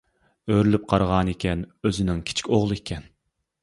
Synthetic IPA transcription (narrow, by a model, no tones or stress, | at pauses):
øɾylyp̚qʰɑɾʁɑːnekʲʰɛnøzɪnɪŋkʲʰi̥t͡ʃʰkʲoʁlˠɨekʲʰɛn